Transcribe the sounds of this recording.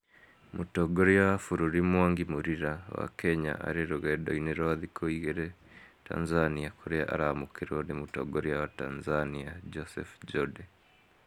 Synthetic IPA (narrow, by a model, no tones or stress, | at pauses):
mʔutoɡoɾijaafuɾuɾimwaːŋɡimuɾiɾawa̰kʰeɲa̰ʔa̰ɾeɾuɣedo̰ineɾoaðikʰoiɣeɾe | ta̰nzaniakʰoɾea̰ʔa̰ɾaamukiɾonimuto̰ɡoɾiawatanzaniad͡ʒosḛfd͡ʒode